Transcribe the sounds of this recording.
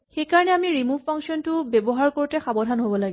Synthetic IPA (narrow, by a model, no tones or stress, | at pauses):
xejkaɹɔnɛamiɹimuvpʰaŋsiɔntʊbebɔɦaɹkoɹutɛxabɔdʱanɦobɔlaɡɛ